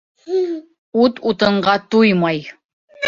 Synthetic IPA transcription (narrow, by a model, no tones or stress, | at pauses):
ut̪ut̪ɤ̆ɴɢɑt̪ujmɑj